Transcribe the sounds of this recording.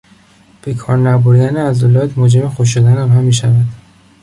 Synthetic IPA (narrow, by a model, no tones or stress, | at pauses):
b̥ekʰɒːɾnæboɾd̪æneæzolɒːt̪mod͡ʒemexoʃ̬od̪ænæmɦæmːiːʃævæd̪̥